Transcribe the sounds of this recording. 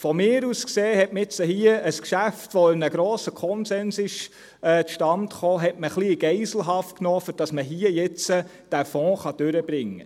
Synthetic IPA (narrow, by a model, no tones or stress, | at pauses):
fɔmɪːɾuskseːhɛtməɪt͡səhiəəskʃæftʋɔɪnnəɡ̥ɾɔːsəkʰɔnsɛnsɪʃ | ɛːt͡sʃtɑntχoːɦɛtməχliɡ̥ɛɪsl̩ɦɑft̚knɔːfʏɾd̥ɑsməɦiːəjɛt͡sə | d̥æfɔ̃ːχɑd̥øɾəb̥ɾɪŋːə̰